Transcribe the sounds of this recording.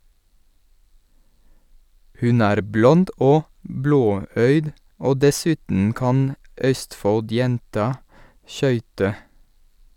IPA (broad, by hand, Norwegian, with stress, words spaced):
ˈhʉn ˈæːɾ ˈblɔnd ˈoː ˈbloːˌœʏd ˈoː dɛˈsʉːtn̩ ˈkɑn ˈʔœstfɔlˌdjɛntɑ ˈʃœʏtə